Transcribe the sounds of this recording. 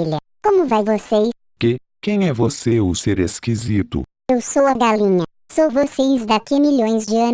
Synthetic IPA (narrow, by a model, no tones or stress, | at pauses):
ilɐ | kõmʊvajvosej | ke | kẽj̃ɛvoseʊseɾeskizit̪ʊ̰ | ewsowɐɡalĩnɐ | sowvosejzd̪akiɐmiʎõj̃zd͡ʒɪɐ̃n